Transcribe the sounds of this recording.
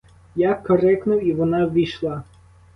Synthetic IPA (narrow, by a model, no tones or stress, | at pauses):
jakːɔɾɛknʊwiʋɔnɑʋʲijʃlˠɑ